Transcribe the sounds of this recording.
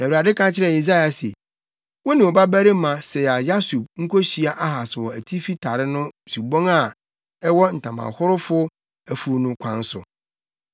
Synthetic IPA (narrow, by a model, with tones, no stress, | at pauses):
næ˨wu˨ɾa˨dɪ˦kʰã˦t͡ɕʰɪ˦ɾɛ˨e˨za˦ja˨sḛ˨ | wɔ˦nɪ̃˨ɔ˨ba˦bæ˦ɾɪ˦mã˨sɛ˨a˨ja˦su˨b̚ŋ̩˦kʰɔ˦ɕi˨a˦ʔa˦ɦa˨swɔ˨æ˨tʰi˦fi˦tʰa˨ɾɪ˦nʊ̃˦su˨bɔ̃˦ŋa˨ | ɛ˦wɔ˦n̩˨tʰã˨mã̰˨hʊ˦ɾʊ˦fʊ˦ | æ˨fu˦nʊ̃˦kʷʰã˦n˦sʊ̰˨